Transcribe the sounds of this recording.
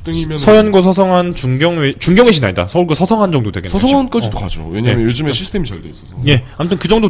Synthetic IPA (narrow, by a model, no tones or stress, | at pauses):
t͈ɯŋimjʌsʰʌjʌnɡʌsʰʌsʰʌŋɦant͡ɕuŋɡjʌŋet͡ɕuŋɡjʌŋeɕʰinaɲida̰sʰʌuɭɡʌsʰʌsʰʌŋɦand͡ʑʌŋdodwe̞ɡesʰʌsʰʌŋank͈ʌsidoka̰d͡ʑo̰we̞ɲa̰jʌnjod͡ʑɯmeɕʰisʰɯtʰemit͡ɕaɭdeis͈ʌsʰʌjeamʌtʰɯnkɯd͡ʑʌŋdo